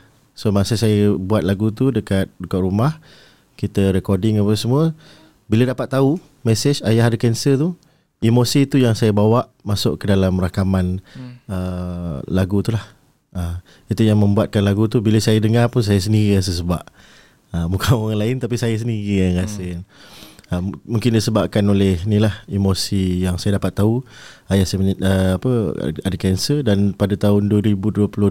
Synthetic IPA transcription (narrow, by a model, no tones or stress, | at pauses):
somasəsajəbuat̪̚laɡut̪̬udəkat̪̚dukat̪ɾumah | kit̪əɾɛkɔdɪŋapasəmuə | bilədapat̪ːau | mɛsɪt͡ʃajaɦadəkɛnsət̪u | imosit̪ujaŋsajəbawaʔ | masʊʔkədalamrakamanə | laɡut̪ulah | ə | it̪ujaŋmə̃mbuat̪̚kanlaɡut̪ubiləsajadəŋarpʊns̬ajas̬əndiɣias̬əsəbaʔ | əmukanaŋanlaɪnt̪apisajas̬əndiɣijaŋkasɪnəmũŋkɪndisəbap̚kanolɪhnĩlahimosijaŋsajadapat̪ːauajasaməəapə̰adəkɛnsədanpadat̪aʊnduwəɾibuduəpulʊ